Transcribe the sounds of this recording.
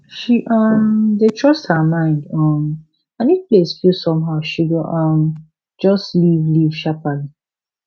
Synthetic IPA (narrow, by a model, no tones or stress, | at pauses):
ʃiʔʌmdetʰɹɔsthəmãɪ̃ndɔm | anid̚plesfjusɔ̃mɦaʊʃiɡoʔɔm | d͡ʒɔstlivliv̥ʃapali